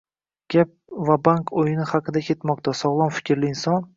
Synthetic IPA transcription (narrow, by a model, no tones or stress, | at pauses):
ɡʲap̚vabaŋkʰojɪnɪhɑqʰɨd̪akʲʰe̞t̪mɒq̚t̪ʰasɒʁlˠɒnfɪ̥kʲʰɾlɪɪnsɒn